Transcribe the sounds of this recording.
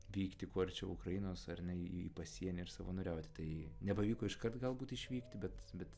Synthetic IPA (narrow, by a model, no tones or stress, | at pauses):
ʋʲiːkt̪ʲɪkoːɐrt͡ʃʲɛʊkɾɐjɪnoːsɐrnʲɛiipɐsʲiɛnʲɪɪrsɑːʋoːnʊɾʲɛʊt̪ʲɪ̥t̪ɐɪnʲɛpɐʋʲiːkoːɪʃkɐrt̪ɡɐlˠbuːt̪ʲɪʃʲʋʲiːkt̪ʲɪbʲɛt̪bʲɛt̪